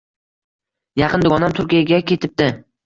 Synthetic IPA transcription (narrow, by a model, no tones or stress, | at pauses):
jɑqʰɨnd̪ʊɡɒnamt̪ʰʊɾkʲijaɡʲakʲʰe̞t̪ʰɪp̚d̪ɪ